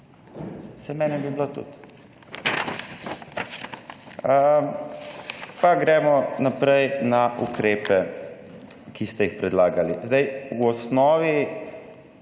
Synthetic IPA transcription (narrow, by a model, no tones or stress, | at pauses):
sɛmɛnɛbiblot̪ṵt̪ | ə | paɡɾɛːmɔnapɾɛjnaʔṵkɾeːpɛ | kist̪ɛjixpɾɛd̪laːɡalizd̪ɛjwɔsnɔːʋi